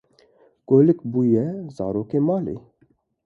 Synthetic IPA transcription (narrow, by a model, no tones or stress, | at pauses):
koːlɪkbuːjɛzɑ̰ːɾoːkeːmɑːlḛː